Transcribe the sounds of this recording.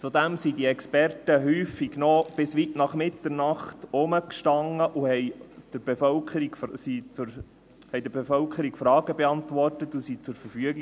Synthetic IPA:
t͡sud̪æmsidiɛkspɛrtəɦyːfːiɡnɔb̥ɪsʋitnɑχmɪt̪ːəɾnɑχtʊməkʃtɑŋːəʔuhɛɪd̥əɾb̥ɛfœlkʰəɾiɡfsit͡sʊɾ | hɛjd̪əbɛfœlkʰəɾikfɾɑːɡəbɛɑntʋɔrtətːusit͡sʊɾfəɾfyəɡi

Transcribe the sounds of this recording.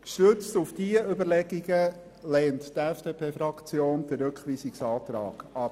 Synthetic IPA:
ʃtøt͡stufd̥iəʔʏbəɾlɛɡ̥iɡə | lɛːnttɛfd̥epʰeːfɾɑkt͡sjoːnd̥̪əɾɾɵkχʋiːsɪksɑːt̪ɾɑ̰ːɡ̥ɑp

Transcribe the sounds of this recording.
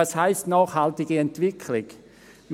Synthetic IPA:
ɑshaɪstnaːχhaltɪɡiɛntvɪkʰlɪɡ | m

